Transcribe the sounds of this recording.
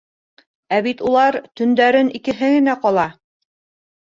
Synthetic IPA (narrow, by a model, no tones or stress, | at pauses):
æβit̪ulˠɑɾt̪ɵ̆nd̪æɾɘnikɘ̆ɦɘɡɘ̆næqɒlˠɑ